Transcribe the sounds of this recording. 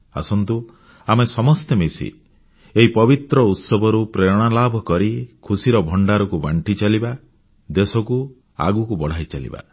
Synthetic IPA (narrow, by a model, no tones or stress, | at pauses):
a̰sɔnt̪u | amesɔmɔst̪emisḭ | eɦipɔbit̪ɾɔut̪sɔbʱɔɾupɾeɽ̃alabʱɔkɔɾikʰusiɾɔbʱɔɳɖaɾɔkubaɳʈit͡ʃaliba | d̪esɔku | a̰ɡukubɔɽ̤ajt͡ʃalḭba̰